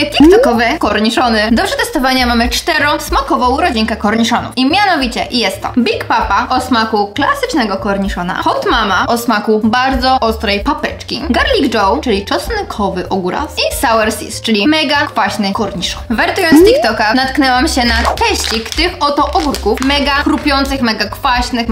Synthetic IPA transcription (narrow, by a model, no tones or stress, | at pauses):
t̪ikt̪ɔkɔvɛkɔɾɲiʂɔnɘd̪ɔbʐɛt̪ɛst̪ɔvaɲamamɘt͡ʂt̪ɛɾɔ̃smakɔvɔ̃w̃ɾɔd͡ʑiŋkɛkɔɾɲiʂɔnṵfimʲjanɔvʲit͡ɕɛ̰jɛst̪ːɔ̰bʲikpapaʔɔsmakuklasɘt͡ʂnɛɡɔkɔɾɲiʂɔna̰xɔwt̪mamaɔsmakubaɾd̪zɔʔɔst̪ɾɛjpapɛt͡ʂkʲḭɡaɾlʲiɡd͡ʐɔwt͡ʂɘlʲit͡ʂɔsnɘkʰɔvɘʔɔɡuɾa̰sisawɛɾsʲḭst͡ʂɘlʲimɛɡakfaɕnɘkɔɾɲiʂɔnvɛɾt̪jɔnst̪ikt̪ɔkanat̪knɛwamɕɛnat̪ɛɕt͡ɕikt̪ɪxɔt̪ɔʔɔɡuɾkufmɛɡakɾupʲjɔnt̪sɨxmɛɡakfaɕnɘx